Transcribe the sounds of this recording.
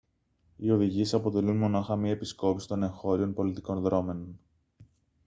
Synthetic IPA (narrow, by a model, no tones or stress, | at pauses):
io̞ðiʝie̞sɐpo̞t̪e̞lunmo̞nɐxɐmiɐepisko̞pisi̥t̪o̞ne̞ŋxo̞ɾio̞npo̞lit̪iko̞nðɾo̞me̞non